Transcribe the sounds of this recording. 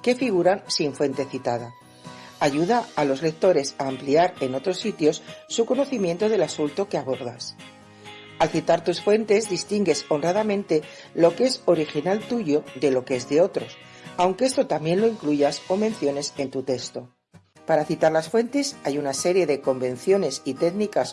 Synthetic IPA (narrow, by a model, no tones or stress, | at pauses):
ke̞fiɣuɾansiɱfwe̞nt̪e̞θit̪aða | aʝuðaːlo̞zle̞k̚t̪o̞ɾe̞saːmpliaɾe̞no̞t̪ɾo̞sːit̪jo̞sːuko̞no̞θimje̞nt̪oð̞e̞lasult̪okeaβo̞ɾðas | alθit̪aɾt̪usfwe̞nt̪e̞zðist̪iŋɡe̞so̞nraðamẽ̞nt̪e̞ | lo̞kee̞so̞ɾixinalt̪uʝo̞ðe̞lo̞kee̞zðe̞o̞t̪ɾo̞s | awŋkeest̪o̞t̪ambje̞nlo̞iŋkluʝaso̞mẽ̞nθjo̞ne̞se̞nt̪ut̪e̞kst̪o̞ | paɾaθit̪aɾlasfwe̞nt̪e̞sajunase̞ɾje̞ðe̞ko̞mbẽ̞n̟θjo̞ne̞sit̪e̞ɣnikas